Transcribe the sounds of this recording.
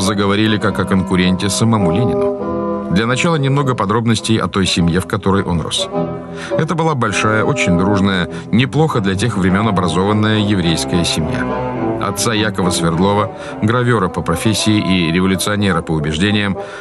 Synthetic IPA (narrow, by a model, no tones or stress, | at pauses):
zəɡəvɐɾʲilʲɪkakɐkənkʊɾʲenʲtʲɪsəmɐmulʲenʲɪnʊ̰d̪lʲɐnɐt͡ɕalˠənʲɪmnoɡəpɐd̪ɾo̞bnəsʲtʲɪjɐ̰t̪o̞jsʲɪmje̞fkɐt̪o̞ɾəjʔo̞̰nro̰s | ɛt̪əbɨlˠabɐlʲʂajəʔo̞t͡ɕɪnʲd̪ɾuʐnəjə | nʲɪplˠo̞xəd̪lʲɐt̬ʲe̞xvɾʲɪmʲo̞nɐbɾɐzo̞vənːəjəjɪvɾʲejskəjəsʲɪmja̰ɐ̰t̪sajakəvəsvʲɪrd̪lˠo̞və | ɡɾɐvʲoɾəpəpɾɐfʲesʲːɪɪʔiɾʲɪvəlʲʊt̪sɨɐnʲe̞ɾəpəʊbʲɪʐdʲenʲɪjəm